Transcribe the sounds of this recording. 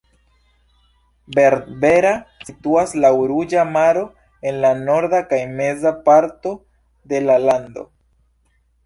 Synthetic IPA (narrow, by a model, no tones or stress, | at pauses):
be̞ɾdbe̞ɾasituaslauɾud͡ʒamaɾo̞ | e̞nlano̞ɾdakajme̞zapaɾto̞ | de̞lalando̞̰